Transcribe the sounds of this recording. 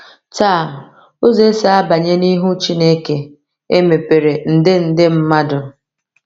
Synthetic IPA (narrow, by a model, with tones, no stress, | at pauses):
taː˦˨ | o˦ze˦sa˦a˦ba˨ɲe˦ni˦ɦu˦t͡ʃi˦ne˦ke˨ | e˦me˨pe˨ɾe˨n̩˨dɪ˦n̩˨dɪ˦m̩˦ma˦dʊ˨